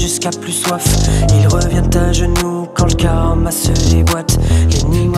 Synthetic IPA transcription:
ʒyskaplyswafilʁəvjɛ̃t̪aʒənukɑ̃ləkãmasølebwat̪leni

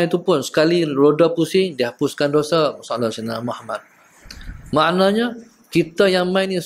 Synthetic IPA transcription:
it̪upʊnsə̥kaliɾodɔpusɪŋdiaɦapuskandosəmsaalɔsənamuhamat̪̚ | maʔnaɲa | kit̪əjaŋmajni

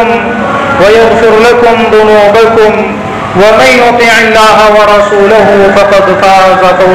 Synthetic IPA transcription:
m | wajaɣfɪɾlakʊmd̪ʊnuːbakʊm | wamanjʊt̪ˤiːʕɪlːaːɦawɑɾˤɑsuːlahʊfɑqɑd̪faːzˤɑta

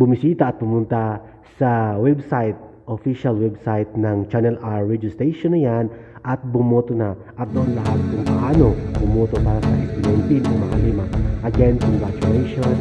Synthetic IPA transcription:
bʊmisiːt̪ɐʔɐt̪̚pʊmʊnt̪a | sɐwɛbsajt̪̚ | ʔofiʃalwɛbsajt̪̚nɐŋt͡ʃanɛlaɹːɛd͡ʒɪst̪ejʃonɐjanʔɐt̪̚bʊmoːt̪onaʔɐt̪̚d̪oʔonlɐɦat̪̚kʊŋpɐʔaːno̞bʊmot̪o̞paːɾɐsɐʔɛpɪlɛnt̪id̪ɐŋmɐkɐliːmaʔɐɡɛnsɪŋɡat͡ʃʊɾejʃon

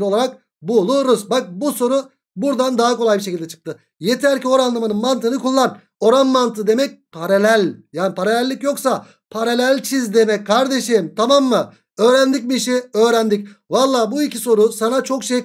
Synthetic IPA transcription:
ɾolˠaɾak̚ | bulˠuɾuzbak̚buso̞ɾu | buɾd̪and̪aɦako̞lˠajbiʃ̬ecilʲd̪ɛt͡ʃʰɯ̥k̚t̪ʰɯ | jet̪ʰæɾcʰio̞ɾanlˠamanɯnmant̪ʰɯnɯkulˠːan | o̞ɾanmant̪ɯd̪e̞mɛc̚pʰaɾalʲælʲjaːnipʰaɾalʲælʲːicjo̞ksa | pʰaɾalʲælʲt͡ʃʰizd̪e̞mɛc̚kʰːaɾd̪e̞ʃimt̪ʰamamːɯ | øːɾænd̪ic̚miʃiø̞ːɾænd̪icʲvalˠːaːbuicʰiso̞ɾusanat͡ʃʰo̞kʃej

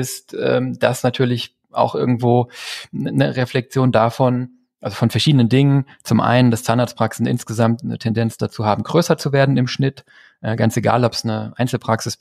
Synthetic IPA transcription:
ɪstʔɛ̰ːmd̥asnatʰyːɐlɪç | ʔa̰ʊxʔɪɐɡŋ̩tv̥oː | nəʁeflɛk̚t͡sjoːndafɔn | ʔalzofɔnfɛɐʃiːdənəndɪŋən | t͡sʊmʔa̰ɪnəndast͡sandaɐtspʁ̥aksn̩ɪ̰nsɡ̥əzamtnə̰tʰɛndɛnt͡sd̥at͡suːhaːbm̩ɡ̥ʁøːsɐt͡suveːɐdn̩ɪmʃnɪt | ʔɛɡant͡seɡa̰ːlɔpsnəʔa̰ɪnt͡sl̩pʁ̥aksɪs

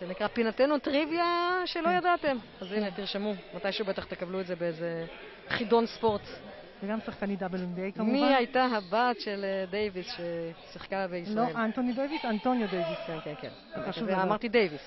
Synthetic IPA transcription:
zenikʁapinate̞nutʁivjaʃelo̞jadate̞m | azinet̪iʁʃemumatajʃeube̞t̪aχt̪e̞kablueze̞beeze | χido̞nspo̞ʁt | veɡamsaχkanid̪abelindejkammiajt̪aɦabaːt̪ʃe̞ld̪ejvisʃesiχkabeisslaoelant̪onid̪ejvisant̪onjod̪ejviskenkenkḛn | aaʃuveammaʁtid̪ejvis

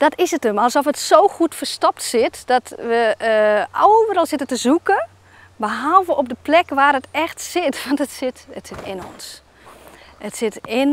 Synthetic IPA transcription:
d̥ɔtɪsətəmalˠsɔfətsoːxutfərstɔp̚tsɪtd̥ɔtʋə | owvəɾɔlˠsɪtətəzukə | bəɦɔlˠvəʔɔp̚dəplɛkʋaːrətɛxtsɪtʋɔntətsɪtətsɪtʰɪnɔ̰ns | ətsɪtɪn

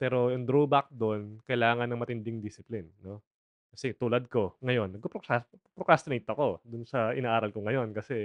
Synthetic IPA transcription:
pɛːɾo̞jʊŋd̪ɾoːbak̚d̪onkɐjlaːŋɐnːɐŋmɐt̪ɪnd̪ɪŋd̪isɪplɪnːo̞ | kɐsɛt̪uːlɐd̪̚ko̞ŋɐjo̞nːɐɡ̚popɾokaspɾokast̪ʊnejt̪ːoɐko̞d̪ʊnsɐʔɪ̰naːʔaːɾɐlkoŋɐjo̞nkɐsɛ

